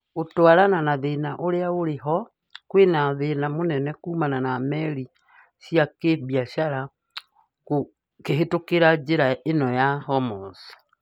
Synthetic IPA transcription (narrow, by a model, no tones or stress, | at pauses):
otwaɾananaðeːnaʔoɾeaoɾeɦɔ | kwenaðenamonɛnɛkuːmananamɛɾi | siakeβiaʃaɾa | ko | keɦetokeɾad͡ʑeɾaenɔjahɔmɔsḁ